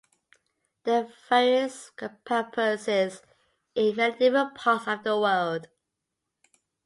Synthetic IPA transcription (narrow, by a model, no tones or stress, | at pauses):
ðəvɛɹəspʰɜpʰəsɪz | ɪ̃vɛndɪvəpʰɑˑtəvðəwɜlˠd̥